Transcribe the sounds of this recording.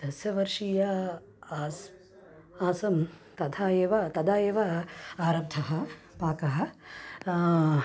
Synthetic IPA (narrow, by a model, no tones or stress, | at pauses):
d̪̥ɐsjɐʋɐɾʂijɐː | s | aːsɐm | t̪ɐd̪ʰʱaːjeːʋɐt̪ɐd̪aːjeːʋɐaːɾɐb̚d̪ʱʰɐɦɐ | paːkɐɦɐ